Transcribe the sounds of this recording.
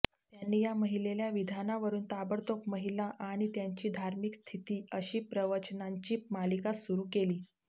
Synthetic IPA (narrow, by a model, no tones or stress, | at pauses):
t̪janːiːjaməɦileljaʋid̪ʱanaʋəɾuːnt̪abəɾt̪okməɦilaʔaɽ̃it̪jaɲt͡ɕiːd̪ʱaɾmikst̪ʰit̪iːəɕiːpɾəʋət͡ɕnaɲt͡ɕiːmalikasuɾuːkeliː